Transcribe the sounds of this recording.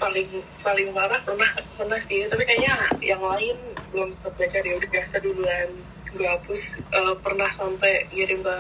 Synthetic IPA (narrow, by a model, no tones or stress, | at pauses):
palɪŋ | palɪŋmaɾahpərnahkakəpərnahsɪt̪apikaɲajaŋlaɪnbəlʊmsə̥t̪at̪̚ɡat͡ʃarjaudabiasaduluan | bapʊsʔəpərnahsampajiaɾimba